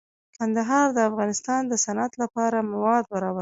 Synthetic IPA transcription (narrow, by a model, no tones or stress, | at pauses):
kʰand̪aɦɑɾd̪əafɣɑnɪst̪ɑnd̪əsanat̪lapɑɾamawɑd̪̚baɾɑba